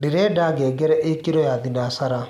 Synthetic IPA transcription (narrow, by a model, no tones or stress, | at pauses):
deɾɛdaɡɛːɡɛɾɛʔekeɾɔjaðinaːsaɾa